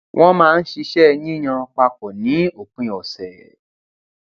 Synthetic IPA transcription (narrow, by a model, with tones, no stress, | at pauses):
wʔɔ̃˦mãː˦˧n̩˦ʃi˧ʃɛ˦nĩ˦j̃ã˧k͡pa˧k͡pɔ˨nĩ˨˦o˨k͡pũ˨ɔ˨sɛ˨